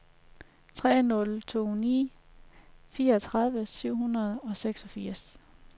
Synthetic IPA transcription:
t͡sʰʁɛ̰ːnɔ̽lt͡sʰo̝̰ːnḭː | fiːɐɒt͡sʰʁɑ̈ð̞ˠʋəsyʊ̰ɦunɐð̞ˠɒ̽seɡ̥sɒ̽fiɐ̰s

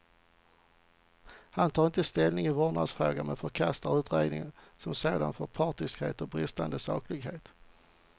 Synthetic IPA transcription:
hant̪ʰɑːɾɪnt̪əst̪ɛlnɪŋɪvɔɳad̪sfɾoːɡamɛnfœɾkʰast̪aɾʉ̟ːt̪ɾḛːɡ̪nɪ̰ŋsɔmseːd̪a̰nfœɾpʰɑːʈɪskhḛːt̪ɔbɾɪst̪a̰nd̪əsɑ̰ːklɪɡɦeːt̪

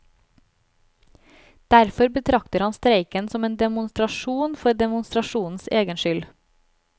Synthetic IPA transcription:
d̪̥æɾfɔɾbət̪ʰɾɑkt̪əɾhɑnst̪ɾeɪkənsɔmeːnd̪ɛmʊnst̪ɾɑʃuːnfɔɾd̪ɛmʊnst̪ɾɑʃuːn̩seːɡənʃʏl

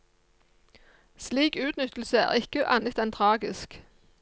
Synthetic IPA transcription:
sliːkʉːt̪nʏt̪l̩səæ̰ːʁɪkəʔɑ̰nət̪ɛnt̪ʰʁɑːɡɪsk

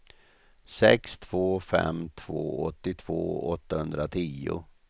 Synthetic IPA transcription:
sɛkst̪ʰv̥oːfɛ̰mt̪ʰv̥oːɔt̪ːɪt̪ʰv̥oːɔt̪ːahɵnd̪ɾat̪ʰiːʊ

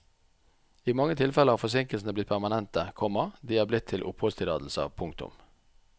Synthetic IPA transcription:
iːmɑŋːət̪ʰɪlfɛləʁhɑːfɔsɪŋkəlsn̩əblɪt̪̚pʰæʁmɑnɛnt̪əkʰɔmɑd̪iːæːblɪt̪ʰːɪlʔʊphɔst̪ʰɪlɑːd̪l̩sə̰pʰʊŋkt̪ʊ̰m

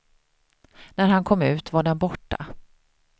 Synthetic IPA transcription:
næɾɦankʰɔmːʉ̟ːt̪vaɖɛnbɔʈːa̰

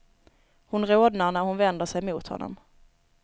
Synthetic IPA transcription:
hʊnɾoːd̪nanæɾhʊnvɛnd̪əʂɛjmuːt̪hɔ̰nːɔ̰m

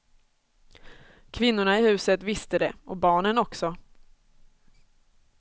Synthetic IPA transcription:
kʰvɪnːʊɳaɪhʉ̟ːsət̪vɪst̪əd̪ɛɔbɑːɳənɔksɔ

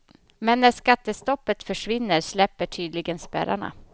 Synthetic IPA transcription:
mɛnːæʂkat̪ːəst̪ɔpːət̪fœʂvɪnːəɾslɛpːəʈʰyːd̪lɪɡənspæ̰ɾa̰ɳa̰

